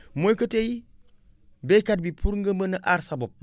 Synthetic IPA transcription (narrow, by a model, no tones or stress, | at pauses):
mojkəteji | bekad̚bipʰuɾŋɡəmənaʔaɾsabop̚